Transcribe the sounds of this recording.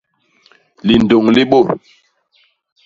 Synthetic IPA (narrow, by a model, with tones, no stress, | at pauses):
li˨n˨do˨ŋli˦ɓo˦˨